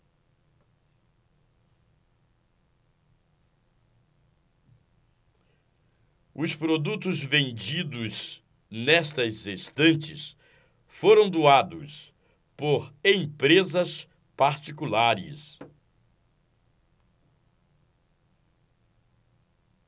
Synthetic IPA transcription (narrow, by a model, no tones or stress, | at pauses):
ʊspɾod̪ut̪ʊzvẽnd͡ʒid̪ʊz | nɛst̪ɐzest̪ɐ̃nt͡ʃɪs | foɾɐ̃w̃d̪uad̪ʊs | poɾẽpɾezɐs | paɾt͡ʃikulaɾɪ̰s